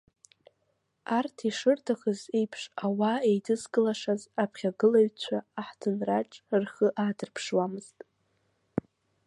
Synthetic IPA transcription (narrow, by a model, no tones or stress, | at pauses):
artʰiʂɨrtʰaχəzejpʰʂawaejdɨzɡɨlaʂazapʰχʲaɡɨlaɥt͡ɕʷʰaːħdʰɨnraʈ͡ʂʼrχəʔadɨrpʰʂwamɨz̥tʼ